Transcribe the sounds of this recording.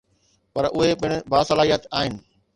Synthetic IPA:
pɐɾʔʊɦepɪɽ̃ʊ̆bʱaːsɐlaːɦijət̪aːɦɪnɪ̆

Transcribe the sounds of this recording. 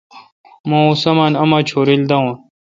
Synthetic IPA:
mõusɐmaːnɐmaːt͡ɕʰoːɾild̪ɐõːn

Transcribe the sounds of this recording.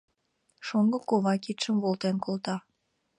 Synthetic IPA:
ʃoŋɡə̆koβɑkit̪ʃəmβolt̪enkolt̪ɑ

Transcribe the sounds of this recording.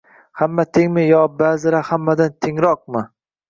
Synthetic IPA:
hamːat̪ʰeŋmɪjɒbazɪɾahamːad̪ant̪ʰeŋɾɒq̚mɪ

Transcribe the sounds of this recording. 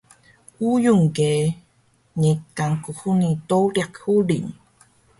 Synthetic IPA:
ujuŋke | ɲikaŋkuxunit̪owɾjakhuliɲ

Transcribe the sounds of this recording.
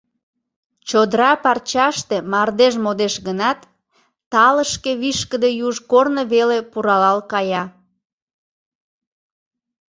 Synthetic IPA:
t͡ɕod̪ɾɑpɑrt͡ɕɑʃt̪emɑrd̪eʒmod̪eʃɣənɑt̪ː | ɑləʃkeβiʃkəd̪ejuʒkornəβelepuɾɑlɑlkɑjɑ

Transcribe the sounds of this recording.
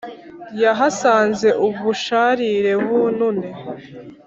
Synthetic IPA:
jaɦasaːnze̞ʔuβuʃaɾiɾe̞βunune

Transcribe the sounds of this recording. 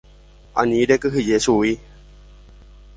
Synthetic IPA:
ʔa̰nĩɾekɨɦijesui

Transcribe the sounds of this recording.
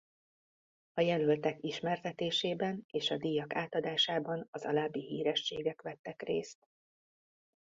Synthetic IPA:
ɒjɛlylt̪ɛkiʃmɛrt̪ɛt̪eːʃeːbɛneːʃɒd̪ijɒkaːt̪ɒd̪aːʃaːbɒnɒzɒ̰laːbːiɦiːɾɛʃːeːɡɛkʋɛt̪ːɛkrḛːst̪

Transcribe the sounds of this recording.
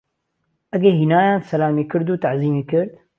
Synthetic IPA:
ʔɐɡɛɾhiːnaːjaːnsɐlaːmeːkɨɾd̪uːt̪aʕziːmeːkɨɾd̪

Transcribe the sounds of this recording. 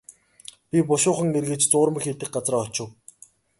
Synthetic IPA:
pʲipʊʃʊːχə̆ŋerɣɘ̆t͡ɕt͡sʊːrmə̆xeɮt̪ɘ̆k̚ɢat͡sraːɔt͡ɕʊ̆w

